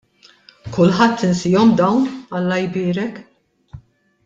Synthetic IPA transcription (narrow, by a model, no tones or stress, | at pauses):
kʊlːħɐt̪ːɪnsiːjɔmd̪ɐwnɐlːɐjbɪːɾɛk